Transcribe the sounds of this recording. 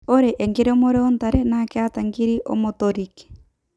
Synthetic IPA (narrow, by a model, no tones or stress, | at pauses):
oɾeʔeŋɡeɾeomoɾeontaɾenakeataŋɡiɾiʔo̰motoɾike̥